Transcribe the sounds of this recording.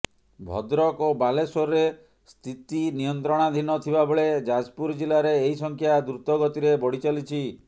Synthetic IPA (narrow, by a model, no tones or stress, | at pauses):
bʱɔ̰d̪ɾɔkobalesoɾe | st̪ʰit̪inijɔnt̪ɾɔɽ̃ad̪ʱinɔt̪ʰibaboɭed͡ʒad͡ʒpuɾd͡ʒilaɾeːɦisɔŋkʰjad̪ɾut̪ɔɡɔt̪iɾebɔɽit͡ʃalit͡ʃʰi